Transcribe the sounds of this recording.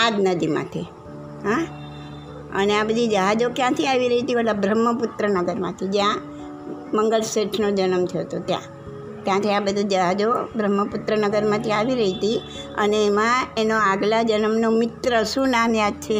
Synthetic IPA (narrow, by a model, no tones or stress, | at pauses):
ad̪nəd̪imã̰t̪ʰi | ɦã | ə̰neabəd̪ʱid͡ʒəɦad͡ʒokjãt̪ʰiaʋiɾəɦit̪iʋəʈabɾəmːəpʊt̪ɾənəɡəɾmã̰t̪ʰid͡ʒjã | məŋɡəɭseʈʰnod͡ʒənəmt̪ʰəjot̪ot̪jã̰ | t̪jãt̪ʰiabəd̪ʱud͡ʒəɦad͡ʒobɾəmːəpʊt̪ɾənəɡəɾmãt̪ʰiaʋiɾəɦit̪i | ə̰neːmãenoaɡlad͡ʒənəmnomɪt̪ɾəʃũnamjad̪̚t͡ʃʰe